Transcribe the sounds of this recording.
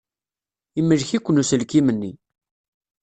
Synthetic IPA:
iməlçikʷːənusəlkimənːi

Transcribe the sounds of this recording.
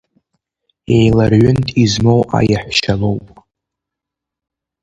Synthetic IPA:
ejlarʕʊntʼizmowʔa̰jaħʷʃalo̞wpʼ

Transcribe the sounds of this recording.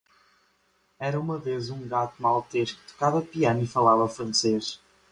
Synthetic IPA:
ɛɾɐumɐvezũŋɡat̪umalˠt̪eʃkt̪u̥kavɐpiɐnifɐlˠavɐfɾɐ̃seʃ

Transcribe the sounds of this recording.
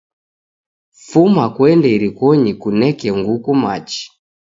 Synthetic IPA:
fumakwɛndɛiɾikɔɲikunɛkɛŋɡukumat͡ʃi̥

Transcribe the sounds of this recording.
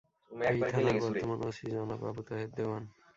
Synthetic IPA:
it̪ʰanatbtɔɾt̪omanosid͡ʑɔnaba̰but̪oɦed̪d̪ewan

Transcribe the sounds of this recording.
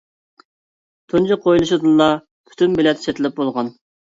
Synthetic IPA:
t̪ʰunt͡ʃʰɪqʰojlˠuʃud̪ɨnlˠɑ | pʰy̥t̪ʰynbɪlɛt̪ʰt͡ʃʰet̪ʰɪlɪp̚bolˠʁɑn

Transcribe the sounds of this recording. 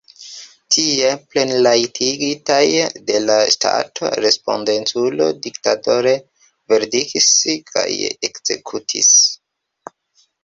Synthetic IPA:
tʰieple̞nlajtʰiɡitajde̞lastʰa̰tʰo̰ɾe̞spo̞̰ndentulo̞̰diktato̞ɾe̞ | ve̞ɾdikiskʰa̰jḛkz̥e̞̰kʰutʰḭs

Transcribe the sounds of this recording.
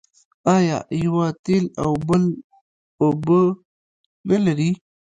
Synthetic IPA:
ɑjɑ̰jawat̪ela̰wbəl | obə | nəlaɾi

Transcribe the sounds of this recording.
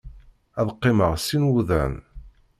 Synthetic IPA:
æðqːeməʁsinwuðæ̰n

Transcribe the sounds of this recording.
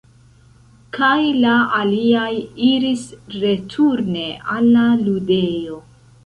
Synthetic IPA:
kajlaaliajiɾisɾe̞tʰuɾne̞ʔalːalude̞jo

